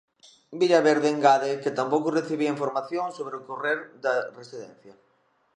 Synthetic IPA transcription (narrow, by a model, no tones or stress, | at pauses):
biʎaβeɾðeeŋɡaðeket̪ampowkʊreθiβiɐiɱfoɾmaθjoŋsoβɾeʊkoreɾd̪ɐresiðɛ̰̃nθjɐ